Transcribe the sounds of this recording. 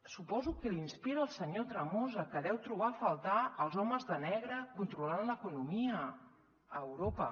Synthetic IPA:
supɔzukəlinspiɾəːlˠsəɲot̪ɾəmozəkəðɛwt̪ɾuβ̞afəlˠt̪aəlˠzɔməzðənɛɣɾəkunt̪ɾulanləkunumiəː | wɾopə̰

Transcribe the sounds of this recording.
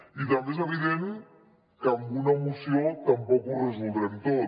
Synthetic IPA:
iðand̪es̬aβiðen | kaŋɡunamusiot̪ampɔkurezuld̪ɾaðit̪o

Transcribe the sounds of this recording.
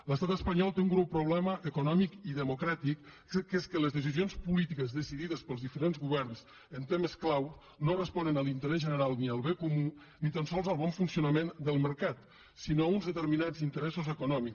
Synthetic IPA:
ləst̪at̪əspəɲɔlˠt̪euŋɣɾuwpɾuβ̞lɛməʔəkunɔmikiðəmukɾat̪ik | keskələzðəs̬izionspulit̪ikəzðəsiðiðəspəlˠzðifəɾenzɣuβɛrns | ənt̪eməsklaw | norəspɔnənəlint̪əɾɛzʒənəɾalˠniəlˠβekumu | nit̪ənsɔlˠzəlˠβɔɱfunsiunəmend̪əlˠməɾkat̪ | sinounzðət̪əɾminad͡zint̪əɾɛsuzəkunɔmik

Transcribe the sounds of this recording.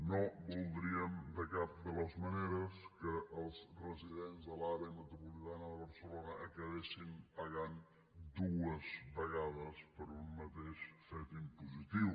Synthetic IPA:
nobulˠd̪ɾiəmd̪əkap̚d̪ələzməneɾəskəʔːlˠzrəziðenzðəlaɾeəmət̪ɾupulit̪anəðəβəɾsəlonəʔəkəβesimpəɣan | d̪uəzβəɣað̞əspəɾunmət̪eʃfɛt̪impuzit̪iw

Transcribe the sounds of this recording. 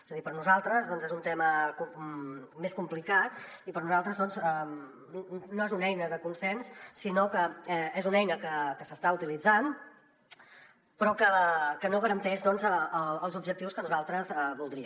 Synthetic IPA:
ezəðipəɾnuzalˠt̪ɾəzðɔnzezunt̪ɛməku | meskumplikat̪̚ipəɾnuzalˠt̪ɾəzðɔnzɛ | noezunɛjnəðəkunsɛnsːinokəɛezunɛjnəkəkəsəst̪aut̪ilid͡zan | pɾɔkəkənoɣəɾənt̪ɛʃðɔnzəəəlˠzubʒək̚t̪iwskənuzalˠt̪ɾəzɛβulˠd̪ɾiə

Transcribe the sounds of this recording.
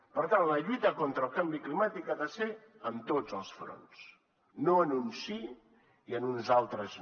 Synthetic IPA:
pəɾt̪anləʎujt̪əkont̪ɾəːlˠkambiklimat̪ikaðəse | əmt̪od͡zəlˠsfɾo̰ns | noənunsi | iənunzalˠt̪ɾəz

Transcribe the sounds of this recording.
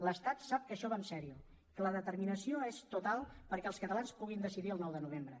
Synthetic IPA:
ləst̪at̪sap̚kəʃɔβansɛɾiu | kələðət̪əɾminəsioest̪ut̪alˠpəɾkɛəlˠskət̪əlanspuɣ̞ind̪əsiðiəlˠnɔwðənuβ̞embɾə

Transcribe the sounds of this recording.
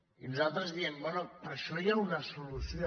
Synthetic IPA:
ilzalˠt̪ɾəzd̪iembɛnopaʃɔjaunasolusjo

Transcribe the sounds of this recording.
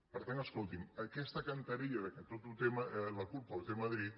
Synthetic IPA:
pəɾt̪anəskolˠt̪iməkɛst̪əkɐnt̪ɐɾiʎɐðəkət̪ot̪ut̪eməlɐkulpət̪emɐðɾit̪̚

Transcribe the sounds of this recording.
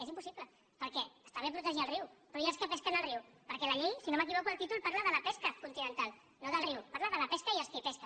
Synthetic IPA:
ezimpusiplə | pəɾkɛəst̪aβepɾut̪əʒiəlˠriwpɾɔiəlskəpɛskənəlriwpəɾkɛlaʎesinomək̬iβokuəlˠt̪it̪ulpaɾləðəlɐpeskəkunt̪inə̃nt̪al | noðəlriwpaɾləðələpeskəiəlskipɛskə

